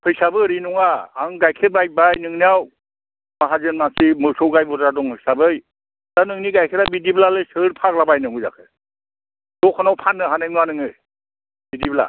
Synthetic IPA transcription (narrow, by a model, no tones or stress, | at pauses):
pʰɯjsabɯɾinɔŋaaŋɡajkʰeɾ̚baj̚bajnɯŋnijaw | maɦazenmasimɯsɔwɡajbɔdɾadɔŋhʰɯjsabɯj | danɯŋniɡajkʰeɾabidiblalɯjsɯɾpʰak̚labajnɯŋɯza̰kʰɯ | d̥ɔkʰɔnawpʰanːɯɦanɯjnanɯŋɯj | bidibla̰